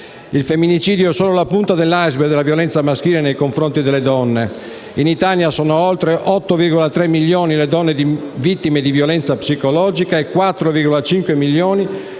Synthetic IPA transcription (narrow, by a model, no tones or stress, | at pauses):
ilfemːinit͡ʃiːd̪joɛsoːlolapunt̪ad̪elːajzbed̪elːavjolɛnt̪samask̟iːlenejkoɱfɾont̪id̪elːed̪ɔnːe | init̪aljasɔːnoolt̪ɾeʔɔt̪ːoviɾɡɔlat̪ɾemːilːjoːniled̪ɔnːed̪ivit̪ːimed̪ivjolɛnt̪sapsikolɔːd͡ʒikaekːwat̪ːɾoviɾɡɔlat͡ʃiŋkwemiljoːni